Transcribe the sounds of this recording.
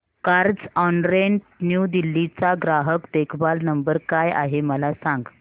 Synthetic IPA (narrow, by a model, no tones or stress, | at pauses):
kaɾd͡zɔnɾen | njud̪ilːit͡saɡɾaɦəkd̪ekʰbalnəmbəɾkaja̰ɦeməlasãŋɡ